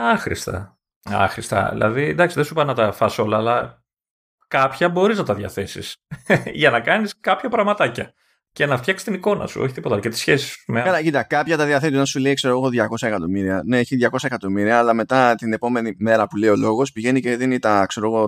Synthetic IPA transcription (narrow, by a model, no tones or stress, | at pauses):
ɐxɾḭst̪ɐ̰ | ɐ̰xɾist̪ɐ̰ḭlɐ̰ðind̪ɐksiðesupɐnɐt̪ɐfɐso̞lɐːlɐ | kɐpçɐbo̞ɾiznɐt̪ɐðʝɐθe̞sḭsʝɐnɐkɐniskɐpçɐpɾɐɣmɐt̪ɐcɐ | cenɐft̪çɐksi̥st̪iniko̞nɐ̰sṵo̰çit̪ipot̪ɐlcet̪i̥sçesi̥smekɐlɐcit̪kɐpçɐt̪ɐðjɐθet̪iot̪ɐnsule̞ikse̞ɾoɣo̞ðʝɐko̞sɐekɐt̪o̞miɾiɐne̞eçiðʝɐko̞sɐekɐt̪o̞miɾiɐːlɐme̞t̪ɐt̪ine̞po̞me̞nime̞ɾɐpule̞io̞lo̞ɣo̞spiʝe̞nice̞ðinit̪ɐkse̞ɾo̞ɣo̞